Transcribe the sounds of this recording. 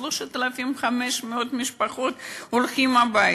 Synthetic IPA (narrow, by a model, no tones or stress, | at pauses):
loʃat̪alafimχameʃmeot̪miʃpaχot̪olχimabaj